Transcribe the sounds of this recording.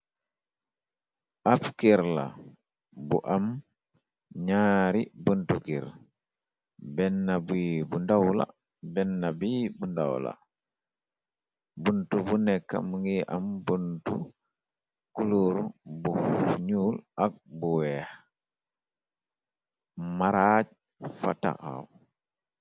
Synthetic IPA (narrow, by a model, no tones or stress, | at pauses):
ʔafkiɾla̰ | buʔam | ɲaːɾibuntukiɾ | bɛnːabibundawla̰ | bɛnːabibunda̰wla̰ | buntubunɛkːa̰muŋɡiʔambuntṵ | kuluɾubuɲulʔak̚buwɛh | maɾat͡ʃ | fa̰ta̰ʔa̰w